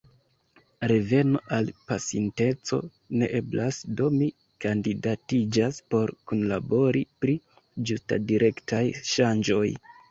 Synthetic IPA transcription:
ɾe̞ve̞no̞ʔalpasinte̞t͡so̞̰ | ne̞ʔe̞blasdo̞mi | kandidatid͡ʒaspo̞ɾkunlabo̞ɾipɾi | d͡ʒusta̰diɾʔe̞ktajʃand͡ʒo̞j

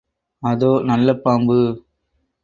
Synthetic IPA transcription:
ɐðoːnɐlːɐpaːmbɯ

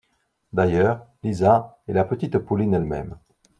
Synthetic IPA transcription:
d̪ajœːʁlizaelapət̪it̪pulinɛlmɛ̰m

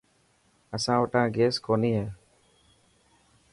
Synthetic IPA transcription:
əsãːʋəʈãːɡeːskoːniːɦeː

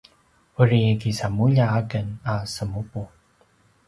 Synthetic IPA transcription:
əɾikisamuʎaaɡənasəmupu

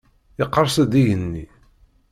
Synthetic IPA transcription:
ɪqːəɾˤsæd̪iʝənːi

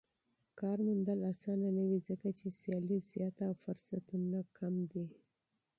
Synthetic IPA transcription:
kɑɾmund̪əlasɑnanawizəkat͡ʃesjɑliz̥jɑt̪aawfʊɾsat̪unakʰamd̪i

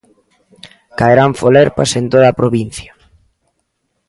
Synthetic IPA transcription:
kaeɾaɱfoleɾpasent̪oðaːpɾoβin̟θja

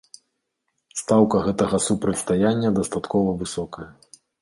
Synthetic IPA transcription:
st̪awkɐɣɛt̪ɐɣɐsupɾɐtʲst̪ajanʲːɐd̪ɐst̪at̪kɔvɐvɨsɔkɐjɐ

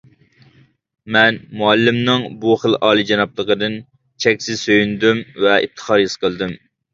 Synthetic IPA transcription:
mɛnmuɛlːɪmnɨŋbuχəlˠɑːlˠid͡ʒɑnɑplˠəqəd̪ɨn | t͡ʃʰɛkʲsɪzsøjynd̪ymvɛḭt̪ʰːə̥χɑɾjɨsqəlˠd̪ym

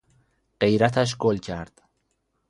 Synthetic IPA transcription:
ɢ̥ejɾat̪ʰaʃ̬ɡolcʰaɾd̪̥

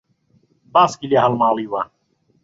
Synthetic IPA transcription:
baskiliaɦɐlmaːliːwa

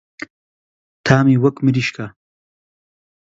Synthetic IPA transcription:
t̪ʰaːmiwɐkmiɾiʃkʰa

